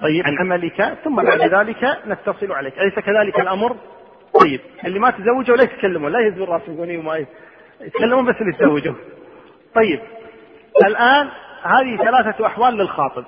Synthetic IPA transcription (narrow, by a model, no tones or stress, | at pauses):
t̪ˤɑjːɪanʕamalɪkaθʊmːabaʕd̪ðaːlɪkanat̪ːɑsˤɨluʕaleːkʔajsakaðaːlɪkalʔamɾ | t̪ˤɑjːɪb̚ʔɪlːimat̪zawːɪd͡ʒuwlajɪt̪kalːamuːnlajɪzbɪrˤɑːsnɡuːniwma | jɪt̪kalːamuːnbasːɪlːit̪zawːɪd͡ʒu | t̪ˤɑjːɪb̚ | ʔɪlʔaːnhaːðiθalaːθaʔaħwaːlːɪlxɑːt̪ˤɨb̚